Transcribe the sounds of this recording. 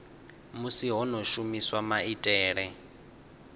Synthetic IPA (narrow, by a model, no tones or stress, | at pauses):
musiɦɔnɔʃumiswamaitʼɛːɺɛ